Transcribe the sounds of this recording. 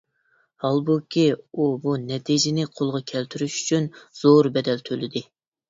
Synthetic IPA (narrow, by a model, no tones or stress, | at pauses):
hɑlˠbukʲʰiubunɛt̪ʰid͡ʒɪnɪqʰolˠʁɑkʲʰɛlt̪ʰyɾyʃy̥t͡ʃʰynz̥oɾbɛd̪ɛlt̪ʰølɪd̪ɪ